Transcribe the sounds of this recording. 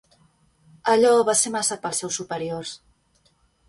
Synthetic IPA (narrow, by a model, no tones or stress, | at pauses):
əʎɔβasemasat̪̚pəlˠsːɛwsːupəɾiors